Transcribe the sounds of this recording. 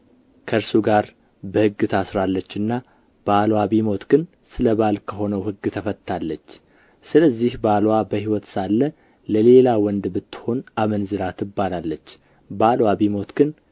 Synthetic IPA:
kʰəɾsuɡaɾ | bəhɨɡːɨt̪ʰasɾalːət͡ʃːɨnːa | b̥alwaβimo̞t̪ɡ̥ɨn | sɨləβalkʰəho̞nəwhɨɡːt̪ʰəfətt̪ʰːalːət͡ʃː | sɨləzːihbalwabəhiwɔt̪salːə | ləle̞lawɔnd̪bɨt̪ːɨ̥ho̞namənzɨɾat̪ʰɨbːalalːət͡ʃː | balwaβimo̞t̪ɡɨn

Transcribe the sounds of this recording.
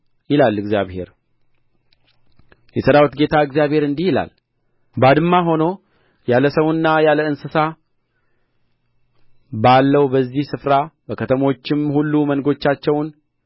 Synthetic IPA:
jɪlalːɨɡzjaβhe̞̰ɾ | jɛsəɾawt̪ɡe̞t̪ʰaɨɡzijaβhe̞ɾɨnd̪ihjɪla̰l | bad̪ɨmːaɦo̞no̞ | jaləsəwnːajaləɨnsɨsa | balːəwubəzːihsɨfɾabəkʰət̪ʰəmo̞t͡ʃːɪmhulːumənɡo̞t͡ʃːat͡ʃːɛwn

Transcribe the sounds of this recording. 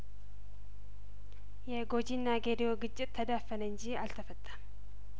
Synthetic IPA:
jɛɡo̞d͡ʒinːaɡed̪ijo̞ɡɨt͡ʃʼːɪt̪ʰːəd̪afːənəɨɲd͡ʒialt̪ʰəfət̪ʼːə

